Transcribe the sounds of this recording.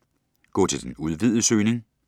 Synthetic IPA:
ɡ̥ɔ̰ːt͡sʰe̝ld̥enuð̞ˠʋið̞ˠəsøːne̝ŋ

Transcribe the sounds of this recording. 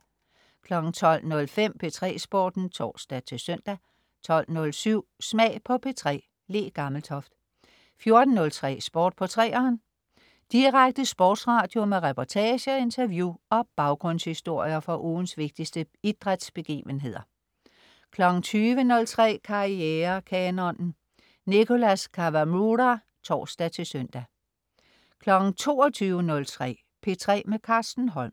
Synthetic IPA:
kʰlɒ̽ɡ̥n̩t͡sʰɒ̽l̰nɔ̽lfem̰pʰe̝t͡sʰʁɛ̰ːsb̥ɔ̰ːd̥n̩t͡sʰɒ̰ːsd̥æt͡sʰe̝sœn̰d̥æ | t͡sʰɒ̽l̰nɔ̽lsyʊ̰smɛ̰ːpʰɒ̽pʰe̝t͡sʰʁɛ̰ː | le̝̰ːɡ̥ɑ̈ml̩t͡sʰɒ̽fd̥ | fjo̝ɐd̥n̩ːɔ̽lt͡sʰʁɛ̰ːsb̥ɔ̰ːd̥̚pʰɒ̽t͡sʰʁɛ̰ːɒːn | d̥iʁaɡ̥̚d̥əsb̥ɔ̰ːd̥sʁɑ̈d̥jo̝meʁɛpʰɒt͡sʰɛːɕəɒe̝nt͡sʰɐʋjuɒ̽b̥ɑ̈ʊɡ̥ʁɔ̽n̰shisd̥o̝ɐ̰jɐfɒ̽ʔuːn̩sʋe̝ɡ̥̚d̥isd̥ə | id̥ʁad̥sb̥e̝ɡ̥ḭːʋənɦe̝ð̞̰ˠɐ | kʰlɒ̽ɡ̥ŋ̩t͡sʰyːʋənɔ̽lt͡sʰʁɛ̰ːkʰɑ̈ieːɐkʰɛːnɒnn̩ | nikʰo̝læskʰɑʋæmuɾæ | t͡sʰɒ̰ːsd̥æt͡sʰe̝lsœn̰d̥æ | kʰlɒ̽ɡ̥ŋ̩t͡sʰo̝ːɒt͡sʰyːʊənɔ̽lt͡sʰʁɛ̰ː | pʰe̝t͡sʰʁɛ̰ːmekʰɑ̈ːsd̥n̩ɦɒ̽lm

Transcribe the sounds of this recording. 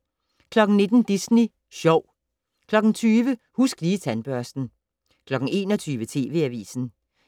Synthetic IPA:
kʰlɒ̽ɡ̥n̩ne̝d̥n̩d̥isni | ɕɒʊ̰ | kʰlɒ̽ɡ̥n̩t͡sʰyːʋə | husɡ̥liːt͡sʰænb̥ɶɐsd̥n̩ | kʰlɒ̽ɡ̥n̩e̝̰ːnɒt͡sʰyːʋət͡sʰe̝̰ːʋe̝æʋḭːsn̩

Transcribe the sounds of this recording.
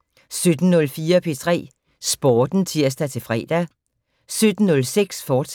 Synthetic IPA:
sød̥n̩nɔ̽lfiːɐpʰe̝t͡sʰʁɛ̰ː | sb̥ɒːd̥n̩t͡sʰiɐ̰sd̥æt͡sʰe̝fʁɛ̰ːd̥æ | sød̥n̩nːɔ̽lseɡ̥sfɒ̥ːs

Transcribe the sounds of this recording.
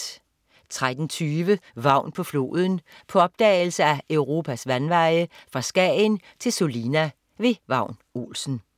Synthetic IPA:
t͡sʰʁad̥n̩t͡sʰyːʋəʋɑ̈ʊ̰npʰɒ̽flo̝̰ːð̞ˠən̩pʰɒ̽ɒ̽b̥̚d̥ɛ̰ːɪl̩səæʔøʊʁo̝ːpʰæsʋænʋɑ̈ɪəfʁɑ̈sɡ̥ɛ̰ːn | t͡sʰe̝lso̝linæ | ʋe̝ʋɑ̈ʊ̰no̝̰ːlsn̩

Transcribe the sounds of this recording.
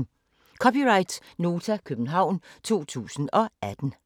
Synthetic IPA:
kʰɒ̽piʁɑ̈ɪd̥sno̝ːt͡sʰækʰøb̥n̩ɦɑ̈ʊ̰nt͡sʰo̝̰ːt͡sʰṵːsn̩ɒ̽æd̥n̩

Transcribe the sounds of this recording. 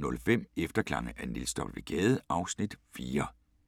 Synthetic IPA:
nɔ̽lfem̰efd̥ɐkʰlɑ̈ŋəʔænilsd̥ɒ̽blʋe̝ɡ̥ɛːð̞ˠʔɑ̈ʊsnid̥fiːɐ

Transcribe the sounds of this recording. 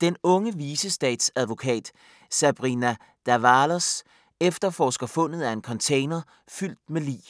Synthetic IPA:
d̥enɔ̽ŋəʋiːsəsd̥ɛ̰ːd̥sæð̞ˠʋo̝kʰɛ̰ːd̥ | sæb̥ʁinæ | d̥æʋɑlos | efd̥ɐfɒ̰ːsɡ̥ɐfɔ̽n̰ð̞̩ˠæe̝nkʰɒ̽nt͡sʰeɪnɐ | fyl̰d̥melḭː

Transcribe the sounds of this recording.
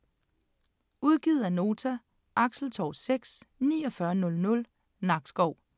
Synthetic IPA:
uð̞ˠɡ̥iːð̩ˠæno̝ːt͡sʰæ | ʔɑ̈ɡ̥sl̩t͡sʰɒʊseɡ̥snḭːɒ̽fɶɐnɔ̽lnɔ̽l | nɑ̈ɡ̥sɡ̥ɒʊ̰

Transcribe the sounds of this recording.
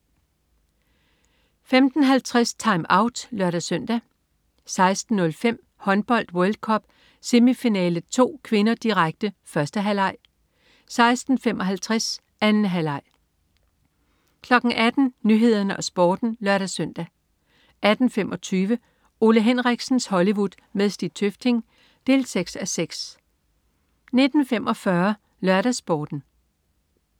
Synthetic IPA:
femd̥n̩ɦælt͡sʰʁɛst͡sʰɑ̈ɪmɑ̈ʊd̥lɶɐɾ̥æsœn̰d̥æ | sɑ̈ɪsd̥n̩ːɔ̽lfem̰ | hɒ̽nb̥ɒ̽l̰d̥wœld̥̚kʰɒ̽b̥ | se̝mifinɛːləð̩ˠt͡sʰo̝̰ːkʰʋe̝nɐd̥iʁaɡ̥̚d̥əfɶɐsd̥əɦælɑ̈ɪ̰ | sɑ̈ɪsd̥n̩femʔɒ̽ɦælt͡sʰʁɛs | ænn̩ɦælɑ̈ɪ̰ | kʰlɒ̽ɡ̥ŋ̩ʔæd̥n̩nyɦe̝ð̰ˠɐnəʔɒ̽sb̥ɒːd̥n̩lɶɐɾ̥æsœn̰d̥æ | ʔæd̥n̩femʔɒ̽t͡sʰyːʋə | o̝ləɦenʁaɡ̥sn̩shɒ̽liʋud̥ | meðˠsd̥i̥t͡sʰøfd̥ʰe̝ŋ | d̥e̝̰ːlseɡ̥sæseɡ̥s | ne̝d̥n̩femʔɒ̽fɶɐ | lɶɐɾæsb̥ɒːd̥n̩

